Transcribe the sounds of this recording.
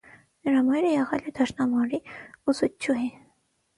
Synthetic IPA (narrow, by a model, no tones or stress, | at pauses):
nəɾɑmɑjɾəjɛʁɛlɛd̪ɑʃnɑmɑɾiuzut͡ʃʰːuɦi